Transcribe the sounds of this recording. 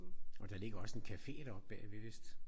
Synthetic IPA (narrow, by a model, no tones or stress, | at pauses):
ɒ̽d̥ɑ̈le̝ɡ̥ɐɒ̽se̝nkʰæfe̝̰ːd̥ɐɒb̥ːɛ̰ʋeʋesd̥